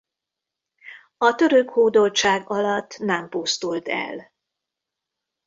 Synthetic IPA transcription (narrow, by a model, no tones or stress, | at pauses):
ɒt̪ø̞ɾøkhoːd̪o̞lt͡ʃaːɡɒlɒt̪ːnɛmpust̪ult̪ɛ̰l